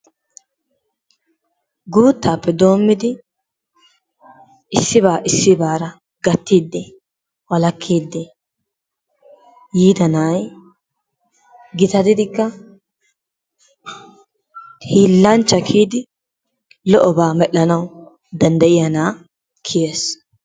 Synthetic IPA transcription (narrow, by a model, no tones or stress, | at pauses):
ɡuːt̪ːaːpːɛd̪o̞ːmːɪd̪ɪ | ʔɪsːɪβaːʔɪsːɪbaːɾɐ | ɡɐt̪ːiːd̪ːɛ | wɐlɐkʰːiːd̪ːɛ | jiːd̪ɐnaːj | ɡɪt̪ɐd̪ɪd̪ɪkːɐ | hiːlːɐnt͡ʃːɐkʰiːd̪ɪ | lɔʔɔbaːmɛɗːɐnɐw | d̪ɐnd̪ɐʔɪjɐnaː | kʰɪje̞ːs